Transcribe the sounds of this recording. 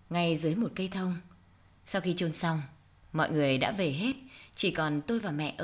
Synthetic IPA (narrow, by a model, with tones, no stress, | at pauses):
ŋa˧jzɨ˨˦jmo˨˩t̚kə˧jt̪ʰə˧wŋ͡m | sa˧wxi˧t͡ɕo˧nsa˧wŋ͡m | mɔ̰˧˨jŋɨ˨˩əjɗa̰ː˧˥ve˨˩ɦe˦˥t̚t͡ɕi˧˩kɔ˨˩nt̪o˧jvaː˨˩mɛ̰˧˨ʔə˧